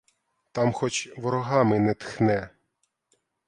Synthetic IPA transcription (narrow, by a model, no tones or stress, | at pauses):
t̪ɑmxɔt͡ʃʋɔɾɔɦɑmɪnɛt̪xnɛ